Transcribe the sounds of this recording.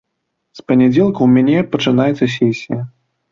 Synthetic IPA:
spɐnʲɛd͡zʲɛlˠkɐwmʲanʲɛpɐt͡ʂɨnajɛt̪sːɐsʲɛsʲijɐ

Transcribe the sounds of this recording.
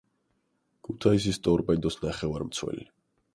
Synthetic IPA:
kʰut̪ʰais̬ist̪ʼɔɾpʼɛnd̪ɔsnaχɛvaɾmt̪sʰwɛ̰li

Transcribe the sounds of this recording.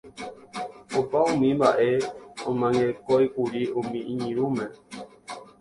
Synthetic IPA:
ovaumimaʔɛomaŋɛkɔikuɾiomiiɲiɾumɛ

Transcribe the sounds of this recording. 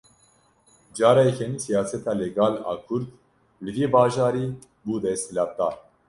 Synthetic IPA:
d͡ʒɑːɾajkʰɛnisijaːsɛt̪ʰaːlɛɡaːla̰ːkʰuɾt̪ | lɨviːbaːʒɑːɾiː | buːd̪ɛst̪ilaːt̪ːaː

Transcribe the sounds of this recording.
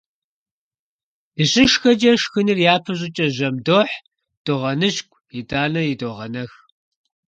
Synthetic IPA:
dɨɕʼɪʃxɐd͡ʒɐʂxɨnɨrjaːpʰɐɕʼɪt͡ʃʼɐʑɐmdoħ | d̥oʁɐnɨɕkʷʼʰjitʼaːnɐjidoʁɐnɐx

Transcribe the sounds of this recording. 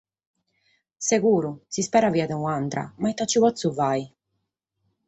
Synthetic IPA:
seɣuːɾusispɛːɾaviːad̪ɛuant̪ɾa̰mait̪ːat͡ʃːiβɔt̪suvaj

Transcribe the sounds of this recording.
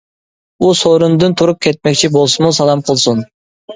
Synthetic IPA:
usoɾund̪ɨnt̪ʰuɾup̚kʲʰet̪̚mɛkʲt͡ʃʰibolˠsɨmusɑlˠɑmqʰəlˠsun

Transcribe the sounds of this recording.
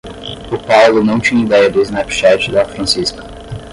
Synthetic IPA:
ʊpawlʊnɐ̃w̃t͡ʃĩɲɐid̪ɛjɐd̪ɪɪznɛpʃɛt͡ʃɪd̪ɐfɾɐ̃siskɐ̥

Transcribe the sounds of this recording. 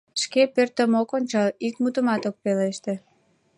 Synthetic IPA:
ʃkepørt̪əmokonʲt͡ɕɑlikmut̪əmɑt̪ok̚peleʃt̪ĕ

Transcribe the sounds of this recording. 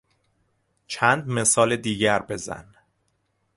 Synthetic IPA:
t͡ʃʰænd̪mesɒːled̪iːɟæɾbe̞zæ̰n

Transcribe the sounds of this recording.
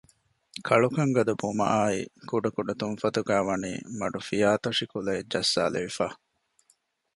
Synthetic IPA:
kʰɐɭukɐŋɡɐd̪ubumɐ̰ʔaːḭkuɖɐkuɖɐt̪unfɐt̪uɡæːʋɐnḭːmɐ̰ɖufijaːt̪ɐʂikulɐed͡ʒɐsːa̰ːlḛʋifaː

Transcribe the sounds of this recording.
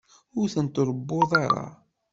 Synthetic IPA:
ʊɾθənt̪oɾˤəbːoðˤɑɾˤɑ̰

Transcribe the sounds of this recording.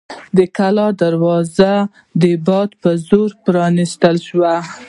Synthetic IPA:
d̪əkalɑd̪aɾwɑza | d̪əbɑd̪pəzoɾpɾɑnist̪əlʃwa

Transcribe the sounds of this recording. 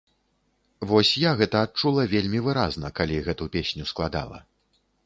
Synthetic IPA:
vɔsʲjaɣɛt̪ɐːt̪̚t͡ʂulˠɐvʲelʲmʲivɨɾa̰znɐkalʲiɣɛt̪upʲesʲnʲusklˠad̪a̰lˠɐ̰

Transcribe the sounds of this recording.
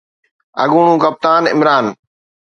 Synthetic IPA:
ɐ̰ɠuːɳũːkəp̚t̪aːnɪ̰mɾaːn

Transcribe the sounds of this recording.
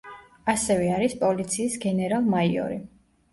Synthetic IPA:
asɛvɛaɾispʼɔlit̪sʰiːsɡɛnɛɾalˠmaiɔ̰ɾi

